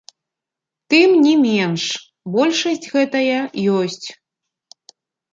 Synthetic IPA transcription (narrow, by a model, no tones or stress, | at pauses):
t̪ɨmnʲimʲɛnʂ | bɔlʲʂɐsʲt͡sʲɣɛt̪ɐjɐjɔsʲt͡sʲ